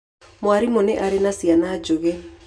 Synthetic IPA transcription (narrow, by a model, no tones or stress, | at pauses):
mwaɾimoneʔaɾenasianaːd͡ʒoɣɛ